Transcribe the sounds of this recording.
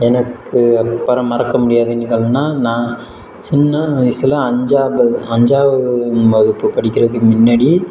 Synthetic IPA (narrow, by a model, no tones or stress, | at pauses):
ɛnɐkːɯɐpːɐɾɐ̃mɐɾɐkːɐmʊɽɪjaːðɯɪnɣɐɭnːaːnãː | sɔnːɐɪsɐlɐɐɲd͡ʒaːbɐɐɲd͡ʒaːʋɐmɐðɯpːɯpɐɽɪkʲːɪrɐðɯmɪnːɐɽi